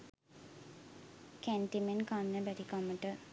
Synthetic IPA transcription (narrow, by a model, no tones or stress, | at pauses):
kɛnʈimenkanːəbætikaməʈə